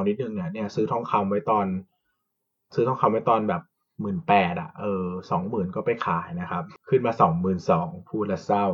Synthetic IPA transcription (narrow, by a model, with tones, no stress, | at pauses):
ni˦˥nɯ˨˩ŋni˧˥˩əni˥˩ɐsɯː˦˥t̪ʰɔ˥˩ŋkʰa˧mwa˦˥jt̪ɔː˧n | sɯː˦˥t̪ʰɔ˥˩ŋkʰa˧mwa˥˩jt̪ɔː˧nbɛː˨˩p̚ | mɯː˨˩npɛː˨˩t̪̚ʔa̰˨˩ʔɤː˧sɔː˩˦ŋmɯː˨˩nkɔː˥˩pa˨jkʰaː˨˩˦jna˦˥kʰa˦˥p̚kʰɯ˥˩nmaː˧sɔː˩˦ŋmɯː˨˩nsɔː˩˦ŋpʰuː˥˩t̪̚la˦˥t̪̚sa˥˩w